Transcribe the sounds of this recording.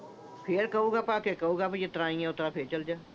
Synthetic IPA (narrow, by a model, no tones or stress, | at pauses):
pʰɪɾkɐuːɡaːpaːkekɐuːɡaːpajet̪əɾaːĩɛ̃ʊt̪ɾapʰeɾt͡ʃəld͡ʒaː